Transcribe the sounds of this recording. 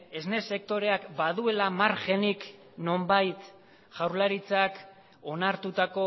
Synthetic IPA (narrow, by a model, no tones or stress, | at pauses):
e̞zne̞se̞k̚t̪o̞ɾe̞akbaðue̞lamaɾʝe̞nik | no̞mbajt̪ | ʝawɾlaɾit͡sak | o̞naɾt̪ut̪ako̞